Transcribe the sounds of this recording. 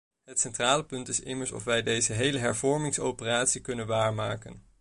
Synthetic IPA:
ɦətsɛntraːləpʏntɪsɪ̰məɹsɔ̰fʋɛjdejzəɦejləɦɛɹvɔɹmɪŋsowpəraːtsikɵnənʋaːɹmaːkə̰n

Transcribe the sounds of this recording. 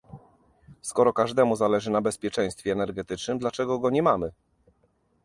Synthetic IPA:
skɔɾɔkaʐd̪ɛmuzalɛʐɘnabɛspʲjɛt͡ʂɛ̃j̃st̪fʲjɛːnɛɾɡɛt̪ɘt͡ʂnɘmd̪lat͡ʂɛɡɔɡɔɲɛmamɘ

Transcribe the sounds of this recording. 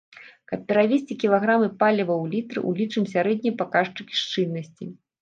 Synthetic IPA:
kɐppʲɛɾavʲesʲt͡sʲikʲilˠaɣɾamɨpalʲivɐwlʲit̪ɾɨ̰ʔṵlʲit͡ʂɨmsʲaɾɛd̪ʲnʲijpakaʂt͡ʂɨkʲi̥ʂt͡ʂɨnːɐsʲt͡sʲi

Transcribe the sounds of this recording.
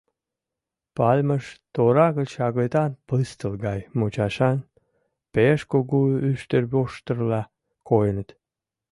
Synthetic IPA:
pɑlʲməʃt̪oɾɑɣət͡ɕɑɣlet̪ɑnpəst̪əlɡɑjmot͡ɕɑʃɑn | peʃkoɡuyʃt̪ərboʃt̪ərlɑ | kojənət̪

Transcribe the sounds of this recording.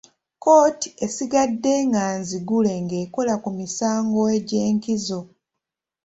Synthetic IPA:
ko̞ːti̥e̞siɡadːe̞ːŋɡaːnziɡule̞ŋɡe̞ːko̞lakumisaːŋɡo̞eɟe̞ːŋkizo̞

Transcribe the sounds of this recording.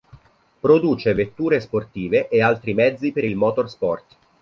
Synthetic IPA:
pɾod̪uːt͡ʃevet̪ːuːɾesport̪iːveʔealt̪ɾimɛd̪zːipeɾilmɔːt̪orspɔrt̪

